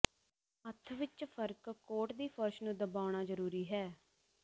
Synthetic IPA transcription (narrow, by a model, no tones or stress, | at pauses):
ət̪ʰʋɪt͡ʃpʰəɾkkoːʈd̪iːpʰəɾʃnũːd̪əbaːʊɽ̃aːzəɾuːɾiːɦɛː